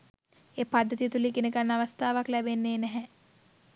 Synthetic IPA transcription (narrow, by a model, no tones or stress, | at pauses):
eːpad̪ʱːət̪ijət̪ulikenekanːaʋəst̪ʰaːʋaklɛbenːeːnɛɦɛ